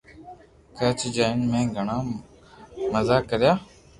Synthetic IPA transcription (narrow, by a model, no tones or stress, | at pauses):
kət͡ʃd͡ʒaːɪnmẽːɡʱəɳaː | məzaːkəɾɪjaː